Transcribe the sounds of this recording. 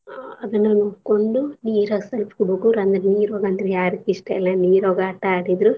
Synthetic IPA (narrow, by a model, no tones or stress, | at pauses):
ɐd̪ɐnːɐnoːɽkoɳɖuniːɾoːɡɐsɐlpkuɽuɡuːɾɐnd̪ɐɾeniːɾoːɡɐnd̪ɾejaːɾikːiʂʈɐɛlːɐniːɾoːɡɐːʈːɐaːɽid̪ɾu